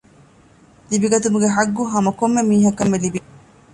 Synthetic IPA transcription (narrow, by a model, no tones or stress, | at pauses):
libiɡɐt̪umuɡeɦaɡːuɦɐmɐkomːemiːɦɐkːɐmːelibi